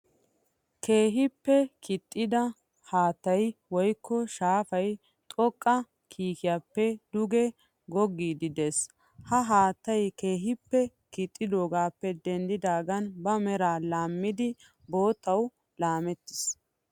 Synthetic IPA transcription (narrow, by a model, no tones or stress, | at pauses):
kʰe̞ːɦɪpːɛkʰɪt̪ʼːɪd̪ɐ | haːt̪ːɐjwɔjkːɔʃaːfɐj | t̪ʼɔkʼːɐ | kʰiːkɪjaːpːɛd̪ʊɡɛ | ɡɔɡːiːd̪ɪd̪e̞ːs | hɐɦaːt̪ːɐjke̞ːɦɪpːɛ | kɪt̪ʼːɪd̪o̞ːɡaːpːɛd̪ɛnd̪ɪd̪aːɡɐnbɐmɛɾaːlaːmːɪd̪ɪ | bo̞ːt̪ːɐw | laːmɛt̪ːɪ̥s